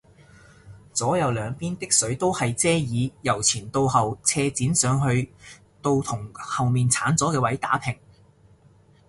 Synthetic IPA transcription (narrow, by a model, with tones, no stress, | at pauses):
t͡sɔː˨˥jɐ˨˧wlœː˨˧ŋpiː˥nt̪ɪ˥k̚sɵ˨˥ɥt̪o˥whɐ˨jt͡sɛː˥jiː˨˧jɐ˨˩wt͡sʰiː˨˩nt̪o˧whɐ˨wt͡sʰɛː˧t͡siː˨˥nsœː˨˧ŋɦɵ˧ɥ | t̪o˧wt̪ʰʊ˨˩ŋhɐ˨wmiː˨nt͡sʰaː˨˥nt͡sɔː˨˥kɛː˧wɐ˨˥jt̪a̰ː˨˥pʰɪ˨˩ŋ